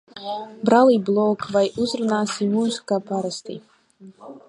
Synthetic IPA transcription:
bɾalˠiblˠɔkvajuzɾunaːsimuskapaɾast̪ḭ

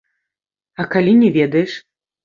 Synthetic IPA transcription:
ɐkalʲinʲɛvʲɛd̪ɐjɛʂ

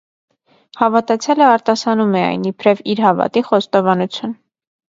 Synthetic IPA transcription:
hɑvɑt̪ɑt͡sʰjɑləɑɾt̪ɑsɑnumɛɑ̰jnipʰɾɛviɾhɑvɑ̰t̪iχɔst̪ɔvɑnut͡sʰjun

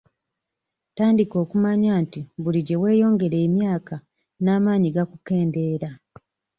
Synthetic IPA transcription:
taːndiko̞ːkumaɲaːntiβuliɟe̞we̞ːjo̞ːŋɡe̞ɾeːmjaːka | naːmaːɲiɡakuke̞ːnde̞ːɾa

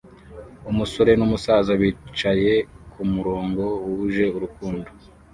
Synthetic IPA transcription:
umuso̞ɾe̞numusaːzaβiːt͡ʃaje̞kumuɾoːŋɡo̞wuuʒe̞uɾukuːndo

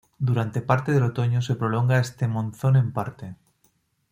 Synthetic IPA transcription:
d̪uɾant̪epaɾt̪eðelot̪oɲosepɾoloŋɡaest̪emõnθonẽmpaɾt̪e

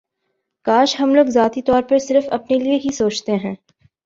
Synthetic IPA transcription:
kaːʃɦɐmloːɡzaːt̪it̪ɔːɾpɐɾsɪɾəfɐpnelieɦisoːt͡ʃt̪eɦɛ̃ː

